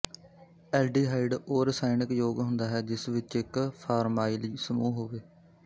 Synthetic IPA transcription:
ɛːlɖiːɦaːɪɖoːɾsaːɪnɪkjoːɡɦʊ̃nd̪aːɦɛːd͡ʒɪsʋɪt͡ʃɪkpʰaːɾmaːiːliːsəmuːɦoːʋeː

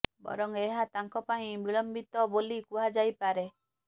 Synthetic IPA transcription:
bɔ̰ɾɔŋeɦat̪aŋkɔpaĩbiɭɔmbit̪ɔbolikuɦad͡ʒajpaɾe

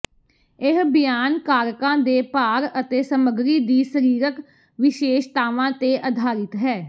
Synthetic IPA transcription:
ɪɦbɪjaːnkaːɾkãːd̪eːpaːɾət̪eːsəməɡɾiːd̪iːsəɾiːɾək | ʋɪʃeːʃt̪aːʋãːt̪eːʔəd̪ʱaːɾɪt̪ɦɛː

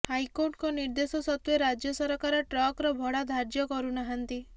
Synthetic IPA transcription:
hajkoɾʈkɔniɾd̪esɔsɔt̪weɾad͡ʒjɔsɔɾɔkaɾɔʈɾɔkɾɔbʱɔɽad̪ʱaɾd͡ʒjɔkɔɾunaɦant̪i

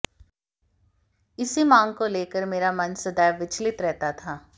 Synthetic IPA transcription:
ɪsimãːŋɡ̚koleːkəɾmeːɾamɐnsɐd̪aːjʋɪt͡ʃlɪt̪ɾɛɦt̪at̪ʰaː

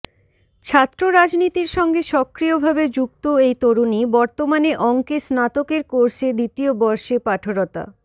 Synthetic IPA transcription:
t͡ɕʰat̪ːɾoɾad͡ʑnit̪iɾʃɔŋɡeʃɔkɾiobʱabed͡ʑuɡt̪oejt̪oɾunibɔɾt̪omaneʔɔŋkesnat̪okeɾkoɾʃed̪it̪iobɔɾʃepaʈʰoɾot̪a̰

